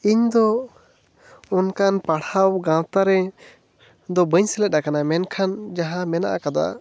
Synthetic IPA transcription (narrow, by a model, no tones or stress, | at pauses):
iɲd̪ɔ | unkanpaɽhawɡãwt̪aɾɛ | d̪ɔbəɲsɛlɛt̪̚ˀːakanamɛnkʰand͡ʒaɦãmɛna̰ʔa̰kad̪a̰